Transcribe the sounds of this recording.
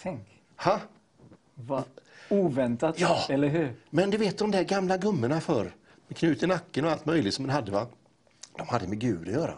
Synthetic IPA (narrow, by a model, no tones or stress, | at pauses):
t̪ʰɛŋk | ha | vauːvɛnt̪aɑːɛlːəɾɦʉɾmɛnd̪ɵveːt̪̚d̪ɔmd̪æɾɡamlaɡɵmːəɳafœɾ | mɛkʰnʉ̟ːt̪ɪnakːənɔalt̪mœjlɪɡt̪sɔmd̪ɛnhad̪ːəva | d̪̥ɔmhad̪ːəmɛɡʉ̟ːd̪ɔjœːɾa̰